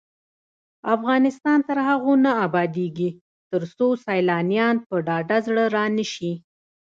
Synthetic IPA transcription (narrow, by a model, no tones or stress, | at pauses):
afɣɑnɪst̪ɑnt̪əɾhaɣonaːbɑd̪eɡi | t̪əɾsosɑjlɑnijɑnpəɖɑɖazɽəɾɑnəʃi